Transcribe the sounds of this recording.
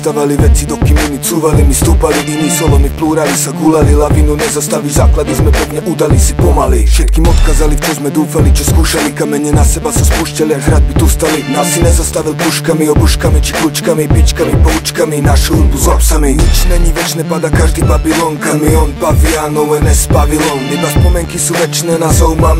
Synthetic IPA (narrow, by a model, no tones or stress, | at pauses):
st̪aʋaliʋɛt͡sid̪ɔkimɛnit͡suːʋalimist̪uːpaliʔinisɔlɔmipluːɾalisaɡulalilavinunɛzɔst̪alizaːklad̪izmɛpɛvɲɛʔud̪alisipɔmalifʃɛt̪̚kiːmɔt̪kazalift͡ʃɔzmɛd̪uːfalit͡ʃɔskuːʃalikamɛɲɛnasɛbasaspuʃcaliaɦɾad̪̚bit̪ust̪alinaːsinɛzɔst̪aʋilpuʃkamiɔbuʃkamit͡ʃi̥kɾut͡ʃkamipit͡ʃkamipɔut͡ʃkaminaʃuɾbuzɔpsamiɛt͡ʃnɛɲiʋɛt͡ʃnɛpad̪akaʒd̪iːbavilɔŋkamiɔnbavianɔwɛnɛsbavilɔnib̪aspɔmɛŋkisuːʋɛt͡ʃnɛːnazɔwma